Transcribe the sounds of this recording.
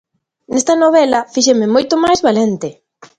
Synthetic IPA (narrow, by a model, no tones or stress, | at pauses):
nest̪ɐnoβɛlɐfiʃ̬emɪmojt̪ʊmajzβalent̪ɪ